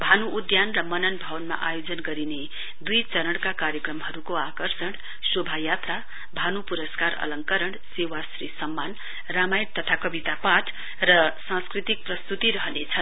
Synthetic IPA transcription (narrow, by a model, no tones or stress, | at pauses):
bʱanuːd̪janrʌmʌnʌnbʱʌwʌnma̰ʔajod͡zʌnɡʌɾine | d̪ujt͡sʌɾʌɽkakaɾjʌkrʌmɦʌɾukoakʌrsʌɽ | sobʱajat̪ra | bʱanupuɾʌskaɾʌ̰lʌŋkʌɾʌɳsewasrisʌmːan | ramajʈt̪ʌt̪ʰakʌbit̪apat̪ʰ | rʌsãskrit̪ik̚prʌst̪ut̪iɾʌɦʌnet͡sʰʌn